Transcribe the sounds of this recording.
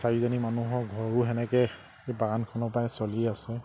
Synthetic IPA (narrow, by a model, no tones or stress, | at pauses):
saɹizɔnimanuɦɔɡʱɔɹuɦɛnɛkɛ | ebaɡankʰɔnɔpajsoliasɛ